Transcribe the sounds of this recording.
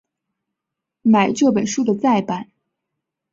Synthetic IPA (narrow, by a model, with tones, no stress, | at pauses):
ma˨˩ɪʈ͡ʂɤ˥˩pə˨˩nʂu˥˧d̪ə˨t͡sa˥˩ɪpa˨˩˦n